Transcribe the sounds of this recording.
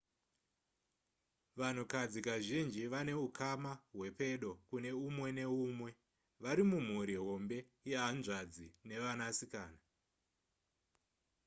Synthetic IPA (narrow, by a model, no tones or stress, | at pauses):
ʋan̤ukad͡zikaʒind͡ʒiʋane̞ukʰamaɦwe̞pe̞ɗo̞kune̞umwe̞ne̞uːmwe̞ | ʋaɾimum̤uɾiɦo̞mbe̞ | jeɦanʐad͡zine̞ʋanasikaːna